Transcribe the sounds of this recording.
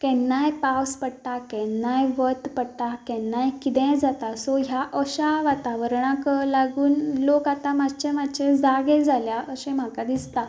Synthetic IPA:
kɛ̃nːajpawspəɽʈ̪akɛ̃nːajʋət̪pəɽʈakɛ̃nːajkit̪ɛ̃d͡zat̪asɔɦjaʔəɕaʋat̪aʋəɾɳãklaɡuːnlokat̪ãmad͡ʑt͡ɕɛ̃mad̪t͡ɕɛ̃d͡zaɡɛd͡zʱaljaʔəɕɛ̃m̤akad̪ist̪a

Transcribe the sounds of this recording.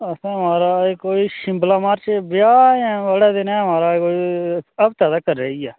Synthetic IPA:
əsãːɦəmaːɾaːekoːiːʃɪ̃mblaːmaːɾt͡ʃbɪjaːɛ̃ːʋəɽɛːd̪ɪnɛ̃ɦəmaːɾaːkoːiəbt̪aːd̪aːkəɾːeːiaː

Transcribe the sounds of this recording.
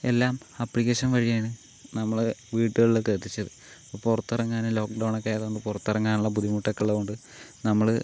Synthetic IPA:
e̞lːaːm | ɐpːɭikːeːʂɐnʋɐɻijaːɳɨ | nɐmːɐɭʋiːʈːɨɣɐɭːket̪ːit͡ɕːɐðɨ | popurɐt̪ːɐrɐŋːaːnelo̞ːkɖɐwɳokʲːejɐðoɳɖɨpurɐt̪ːɐrɐŋːaːnuɭːɐbud̪imuʈːɐkːɐɭːekoɳɖɨ | nɐmːɐɭ

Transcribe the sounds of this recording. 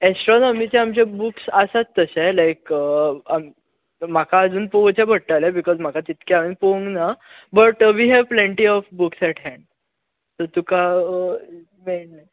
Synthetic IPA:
esʈɾɔnɔmit͡ɕẽamt͡ɕebuksasat͡s̪ːəselajkam | makaəd͡zuːnpoʋt͡ɕãbʱəɽʈːalebikɔzm̤akat̪it̪keaʋinpoʋəŋɡna | bəʈʋiɦɛʋplẽɳʈiɔfbuksɛʈɦɛ̃ɳɖ | t̪ət̪uka | mennaj

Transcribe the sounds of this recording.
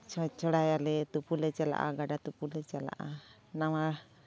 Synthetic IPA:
t͡ʃt͡ʃɔɽajalɛt̪upulɛt͡ʃala̰ʔa̰ɡaɖat̪upulɛt͡ʃala̰ʔanawa

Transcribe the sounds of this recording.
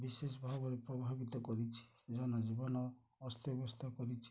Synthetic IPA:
bises̬ɔbʱabɔɾepɾɔbʱabit̪ɔkɔɾit͡ʃʰi̥d͡ʒanɔd͡ʒibɔnɔː | st̪ʰɔɔbɔst̪ʰakɔɾit͡ʃʰi̥

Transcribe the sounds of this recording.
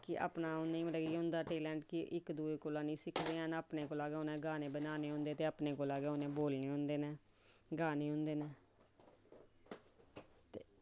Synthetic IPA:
kɪʔa̰ːpnaːʊnĩːməɖəɡiɦʊ̃nd̪aːʈeːlɛ̃ːɳʈkɪʔɪkd̪uːeːkoːlãːnĩːsɪkʰd̪eːənəːpneːkoːlaːɡeːʊnẽːɡaːneːbənaːneːɦʊ̃nd̪eːt̪eːaːpneːkoːlaːɡeːʊnẽːboːlneːʊ̃nd̪eːneː | ɡaːneːɦʊ̃nd̪eːneː | t̪eː

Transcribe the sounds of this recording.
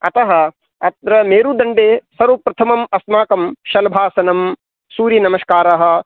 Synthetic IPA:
ɐ̰t̪ɐɦɐ̆ | ɐt̪ɾɐmeːɾud̪ɐɳɖeːsɐɾupɾɐt̪ʰɐmɐmɐsmaːkɐmʃɐlbʱaːsɐnɐm | suːɾinɐmɐskaːɾɐɦɐ̆

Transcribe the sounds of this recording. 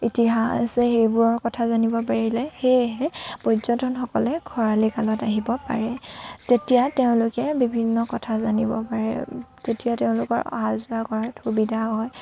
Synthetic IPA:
itiɦasɛxejbʊɹɔɹkɔtʰazanibɔpaɹilɛxeɦɛpozɔntʰɔnxɔkɔlɛɡʰʱɔɹalikalɔtaɦibɔpa̰ɹɛ | tetijateʊ̃lʊkɛbibʱinːɔkɔtʰazanibɔ̰paɹɛ̰ | zetijateʊ̃lʊkɔ̰ɹa̰ɦazakɔɹatxubidʱaɦɔj

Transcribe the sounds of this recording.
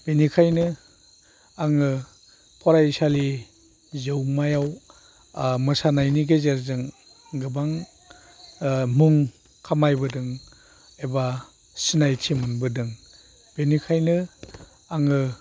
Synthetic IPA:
b̥enikʰajnɯ | aŋɯ | pʰɔɾajsali | zewmajaw | mɯsanajniɡezeɾzɯŋ | ɡɯbaŋ | muŋ | kʰamajbɯdɯŋ | eba | sinajtʰimɯnbɯdɯŋ | b̥enikʰajnɯ | aŋɯ

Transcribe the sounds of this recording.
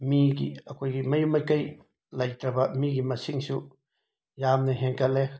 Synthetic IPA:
miɡḭakʰojɡimajumajkaj | lajt̪ɾabamiɡimasiŋsu | jamnaɦɛnkale

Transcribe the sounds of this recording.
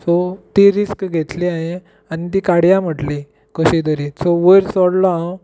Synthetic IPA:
sot̪iɾiskɡʱet̪liaɦẽ | anit̪̬ikaɽjãm̤əʈli | kəɕid̪əɾisoʋəɾsɔɽlaãw

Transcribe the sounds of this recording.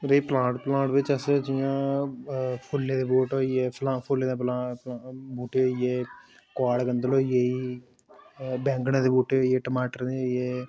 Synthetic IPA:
ɾeiplãːʈplãːʈʋɪt͡ʃəsd͡ʒijãː | pʰʊlːeːd̪eːboːʈoːijeːpʰlãːpʰoleːd̪eːplaː | buːʈeːoːijeː | kaːɽkənd̪əloːjeiː | bɛ̃ːŋɡnãːd̪eːbuːʈeːoieːʈəmaːʈəɾnejeː

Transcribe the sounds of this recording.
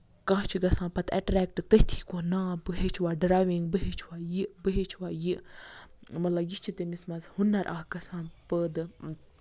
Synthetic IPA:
kãːt͡ʃʰiɡɐsãːpɐt̪ɐ̰ʈɾɛːk̚ʈt̪ət̪ʰi̥ːkoːnaːbɨɦet͡ʃʰwaːɖɾaːjʋiŋɡbɨɦet͡ʃʰwaːjibɨɦet͡ʃʰwaːji | mɐt̪lɐbjit͡ʃʰit̪emismɐzhunːɐɾʔaːhɡɐsãːpəd̪

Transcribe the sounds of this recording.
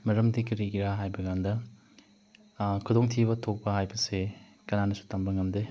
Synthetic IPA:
mɐɾɐmdikɐɾiɡiɾaɦajbɐɡandɐ | kʰudoŋtʰibɐtʰok̚pɐɦajbɐse | kɐnanɐsu̥tɐmbɐŋɐmde

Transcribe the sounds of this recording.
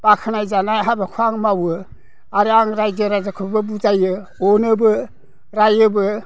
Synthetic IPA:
b̥akʰɯnajzanajɦabɯkʰaŋmawɯ | aɾaŋɾajzɯɾazakʰɯbɯbuzajɯ | ɔnɯbɯ | ɾajɯbɯ

